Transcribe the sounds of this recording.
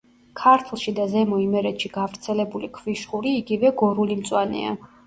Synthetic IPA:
kʰaɾt̪ʰlˠʃid̪azɛmɔimɛɾɛt̪ʃiɡ̥avɾt̪sʰɛlɛbulikʰviʃʼuɾiːɡivɛɡɔɾulimt̪sʼwanɛ̰a̰

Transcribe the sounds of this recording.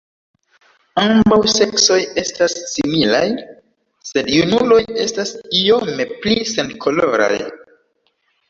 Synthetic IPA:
ambawse̞kso̞je̞stasːimilaj | se̞djunulo̞je̞stasio̞meplise̞nkʰo̞lo̞ɾa̰j

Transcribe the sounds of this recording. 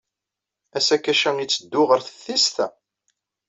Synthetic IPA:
æsækːæʃæŋit͡sːəd̪ːʊʁəɾθəθːist̪æ

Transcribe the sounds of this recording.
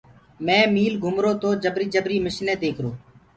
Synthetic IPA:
mɛ̃ːmiːlɡʱʊmɾoːt̪oːd͡ʒəbɾiːd͡ʒəbɾiːmɪʃlẽːd̪eːkʰɾoː

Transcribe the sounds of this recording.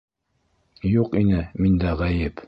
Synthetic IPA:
juqinɘmind̪æʁæjɘp

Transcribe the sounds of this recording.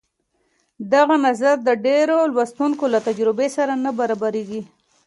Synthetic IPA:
d̪aɣanazaɾd̪əɖeɾolwast̪unkolat̪ad͡ʒɾɪbesaɾanabaɾabaɾeɡi

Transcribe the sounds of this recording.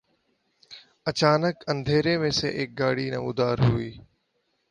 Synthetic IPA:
ət͡ʃaːnəkə̃nd̪ʱeːɾemẽːsḛʔeːk̚ɡaːɽiːnə̰ʋʊd̪ʱaːɾɦuiː

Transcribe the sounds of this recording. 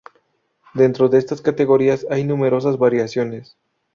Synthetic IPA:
d̪e̞nt̪ɾo̞ðe̞est̪askat̪e̞ɣo̞ɾiasajnume̞ɾo̞sazβaɾjasjo̞ne̞s

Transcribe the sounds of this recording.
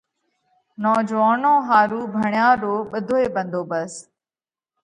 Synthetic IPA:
nɔːd͡ʒʋaːnõːɦaːɾuːbʱəɳjãːɾoːɓəd̪ʱoːeːɓə̃nd̪ʱoːbəs

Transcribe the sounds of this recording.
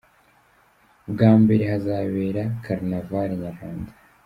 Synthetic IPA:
bɡaːmbeɾehazaːβeːɾakʰaɾnavaɾeɲaɾaːndḁ

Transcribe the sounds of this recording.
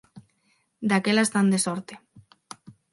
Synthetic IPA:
d̪akelaest̪and̪esɔɾt̪e̥

